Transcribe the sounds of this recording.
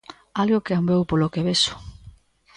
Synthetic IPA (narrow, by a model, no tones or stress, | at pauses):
alɣokeambewpolokeβesʊ̥